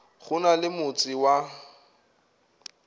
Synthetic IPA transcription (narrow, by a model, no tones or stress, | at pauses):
χʊnalɪmʊt͡sʼɪwa